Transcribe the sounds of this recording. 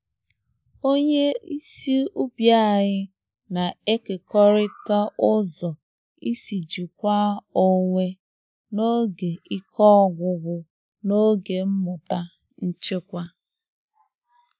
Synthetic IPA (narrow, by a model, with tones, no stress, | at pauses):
o˦ɲe˦i˦si˦u˦bja˦˨ɲɪ˦ | na˨e˦ke˨kɔ˦ɾɪ˦ta˦ʊ˦zɔ˨ | i˦si˨d͡ʒi˨kʷa˦o˦ŋʷe˦ | no˦ɡe˨i˦kʰɔ˦ɡʷʊ˨ɡʷʊ˦ | no˦ɡe˨m̩˦mʊ˨ta˦ | n̩˦t͡ʃe˦kʷa˦